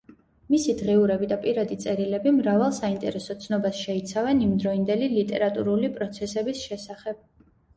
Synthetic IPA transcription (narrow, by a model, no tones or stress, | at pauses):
misid̪ʁɛuɾɛbid̪apʼiɾad̪it̪sʼɛɾilɛbimɾavalˠsaint̪ʼɛɾɛsɔt̪sʰnɔbasʃɛit̪sʰavɛnimd̪ɾɔind̪ɛlilit̪ʼɛ̰ɾat̪ʼṵɾulipʼɾɔt̪sʰɛsɛbisʃɛsaχɛb̥̚